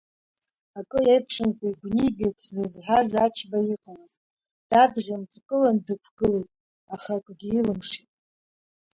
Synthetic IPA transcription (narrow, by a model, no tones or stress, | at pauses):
akʼɨejpʰʂɨnkʷʰʼaiɡʷniɡʲɪt͡szɨzħʷazat͡ʃʰbajiqʼawaztʼ | d̥adʁʲant͡sʼkʼɨlandɨkʷʰɡ̥ɨlejtʼ | aχakʷʼɡʲiilɨmʂitʼ